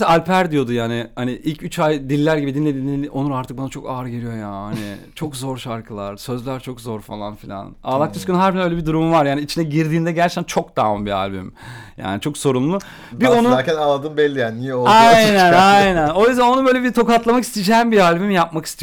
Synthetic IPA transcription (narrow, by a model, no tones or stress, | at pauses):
sɛalʲpʰæɾd̪ijo̞d̪ujaːnɪhaniʔilʲcʰyt͡ʃʰajd̪ilʲːæɾɟibid̪inːʲed̪inio̞nuɾaɾt̪ɯk̚banat͡ʃʰo̞kaːɾɟeɾijo̞jahanḭt͡ʃʰo̞kzo̞ɾʃaɾkʰɯlˠaɾ̥sø̞zlʲæɾt͡ʃʰo̞kzo̞ɾfalˠa̰nfilʲa̰na̰ːlˠak̚t̪ʰyskʰønnɦæɾbinø̞jlʲeɛbid̪uɾumuvaɾjaːniit͡ʃʰinɛɟiɾd̪iːnd̪ɛɟæɾt͡ʃʰɛ̥t̪ænt͡ʃʰo̞k̚d̪aːɯmbia̰lʲbḭmja̰ːnit͡ʃʰo̞kso̞ɾumlˠu | bio̞nuaːɛnalˠad̪ɯːmbɛlʲːijaːnnijɛolˠajnænajnæno̞jyzd̪æno̞nubølʲɛbiɾt̪ʰo̞kat̪lˠamaki̥st̪id͡ʒɛmbialʲbimjap̚maki̥st̪ʰij